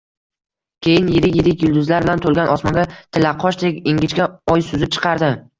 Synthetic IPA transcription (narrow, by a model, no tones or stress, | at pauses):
kʲʰejɪnjɪɾɪkʲjeɾɪkʲjʊlˠd̪ʊzlaɾbɪlant̪ʰolˠɡʲanʔɒsmɒnɡʲat̪ʰɪlːaqʰɒʃd̪ekʲɪŋɡʲɪt͡ʃɡʲaɒjsʊzɪp̚t͡ʃʰɨ̥qʰɑɾd̪ɪ